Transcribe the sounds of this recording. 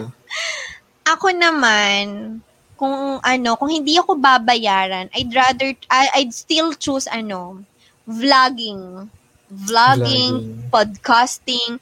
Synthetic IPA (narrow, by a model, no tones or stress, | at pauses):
ʔɐko̞nɐman | kʊŋʔɐno̞kʊŋhɪnd̪iʔɐko̞babɐjaːɾɐnʔɐjd̪ɹad̪ɛɹʔʔaj̪st̪ilt͡ʃusɐno̞ | vlaɡɪŋ | vlaɡɪŋpod̪̚kast̪ɪŋ